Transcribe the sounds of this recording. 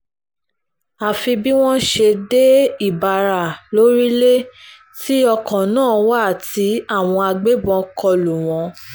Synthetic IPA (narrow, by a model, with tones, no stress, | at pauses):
a˨fi˧bi˦w̃ɔ̃˦ʃe˧de˦i˦˨ba˧˨ɾa˨lo˨˦ɾi˦le˦ | ti˦ɔ˧kɔ̃˨nãː˦˨wa˦˨ti˨˦a˦˨w̃ɔ̃˧a˧ɡ͡be˦bɔ̃˧kɔ˧lu˨w̃ɔ̃˨˧